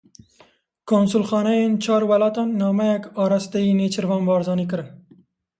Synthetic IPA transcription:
konsʊlxɑːnajent͡ʃɑːɾwalɑːt̪ɑnːɑːmajakɑːɾast̪ainet͡ʃɪɾvɑːnbɑːɾzɑːnikəɾən

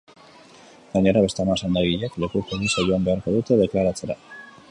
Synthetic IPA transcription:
ɡaɲe̞ɾaβe̞st̪eamasand̪aɣiʎekle̞kukomisaʝo̞ambe̞aɾko̞ðut̪e̞ðe̞klaɾat͡se̞ɾa

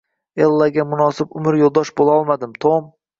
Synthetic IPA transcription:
elˠːaɡʲamʊnɒsɪbʊmɪɾjolˠd̪ɒʃbolˠaɒlˠmad̪ɪmt̪ʰom

